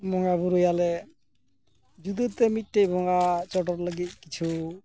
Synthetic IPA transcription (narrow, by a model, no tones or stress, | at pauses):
mɔŋɡabuɾojalɛ | d͡ʒud̪ut̪ɛmit̪̚ʈejbʱɔŋɡat͡ʃɔʈɔɾləɡit̪̚kit͡ʃʰu